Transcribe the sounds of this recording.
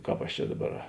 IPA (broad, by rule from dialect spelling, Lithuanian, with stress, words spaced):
ˈkɑːp ɐʃ ˈt͡ʃʲɛ ˈdɑːˌbɐr